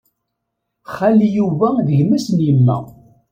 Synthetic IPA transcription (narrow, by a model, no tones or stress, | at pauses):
χalːijuvæðəʝmæsənjəmːæ̰